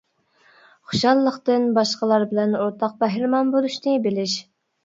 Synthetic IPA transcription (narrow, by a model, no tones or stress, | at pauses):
χʊ̥ʃɑlˠːəqt̪ɨnbɑʃqəlˠɑɾbɪlɛnoɾt̪ʰɑq̚bæɦɾɪmɑnbolˠuʃnɨbɪlɪʃ